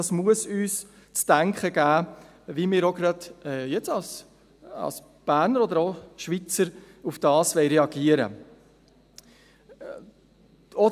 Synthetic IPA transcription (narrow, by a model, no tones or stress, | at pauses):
ɑsmuəsyːs | t͡stæŋkχəɡ̥æː | vimɪːɾoɡɾɑdɛjɛt͡sɑls | ɑ̰ls | b̥æːɾnəɾɔd̪əɾoʃʋit͡səɾ | ufd̥ɑːsʋɛɪɾɛɑɡiəɾə̰ | ɔ